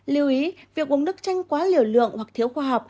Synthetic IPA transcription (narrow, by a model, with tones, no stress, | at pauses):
li˨˧˩əwʔi˨˦vi˨˩ək̚ɓə˨˦ŋ͡mɗɨ˦˥k̚t͡ɕa˧jŋ̟kwaː˨˦li˧˨əwlɨ̰˧˨əŋwa˨˩k̚t̪ʰi˨˦əwxwaː˧ɦa˨˩wk͡p̚